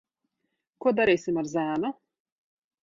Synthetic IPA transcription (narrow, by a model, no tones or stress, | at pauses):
kuɔd̪aɾʲiːsʲɪmaɾzʲæːnɔ